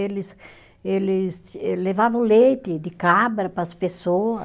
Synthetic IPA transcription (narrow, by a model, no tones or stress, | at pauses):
elɪs | elɪsɛlevavɐ̃w̃lejt̪ɪd̪ɪkabɾɐpɐspesoɐ